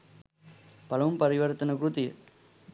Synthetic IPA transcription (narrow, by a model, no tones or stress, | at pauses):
pɐlɐʋɯmpɐɾɪʋɐɾt̪ɐnɐkɾut̪ɪjɐ